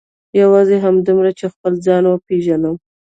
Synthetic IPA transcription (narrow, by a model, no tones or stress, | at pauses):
jawɑzeɦamd̪umɾat͡ʃexpəld͡zɑnwəpeʒanəw